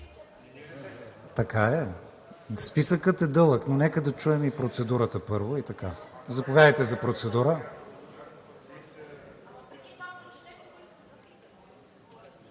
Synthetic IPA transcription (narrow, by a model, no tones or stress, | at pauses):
t̪ɐkaɛ | spisəkət̪ɛd̪ɤlˠəknonɛkəd̪ɐt͡ʃuɛmipɾot̪sɛd̪uɾət̪əpɤɾvoit̪ɐkazɐpovʲjad̪əjt̪ɛzɐpɾot̪sɛd̪uɾə